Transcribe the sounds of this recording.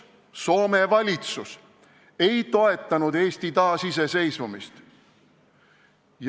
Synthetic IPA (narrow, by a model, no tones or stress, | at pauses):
so̞ːmevɑlʲit̪sus | e̞jt̪o̞e̞t̪ːˑɑnud̪eːst̪it̪ɑːsise̞se̞jsvumist̪ | j